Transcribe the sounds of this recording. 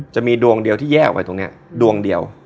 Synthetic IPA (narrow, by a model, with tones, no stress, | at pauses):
t͡ɕa˨˩miː˧du˧əŋdi˧əwt̪ʰiː˥˩jɛː˥˩kwa̰˧jt̪o˧ŋni˦˥ɐ | du˧əŋdi˧əw